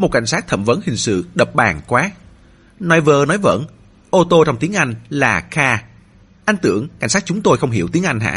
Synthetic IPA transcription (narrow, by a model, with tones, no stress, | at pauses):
mo˨˩t̚ka˧˩jŋsaː˦˥k̚t̪ʰə˧˩mvə̰˧˨˦nhï˨˩ŋ̟sɨ̰˧˨ɗə˨˩p̚ɓaː˨˩ŋkwaː˨˦˥ | nɔ˧jvəː˧nɔ˨˦jvə̰˧˥n | ʔo˧t̪o˧t͡ɕɔ˧wŋ͡mt̪i˨˦əŋʔa˧jŋ̟laː˨˩xaː˧ | ʔa˧jŋ̟t̪ɨ̰˧˩əŋka̰˧˩jŋ̟saː˦˥t͡ɕʊ˨˦ŋ͡mt̪o˧jxə˧wŋ͡mɦḭ˧˩əwt̪i˨˦əŋʔa˧jŋ̟ɦa̰ː˧˥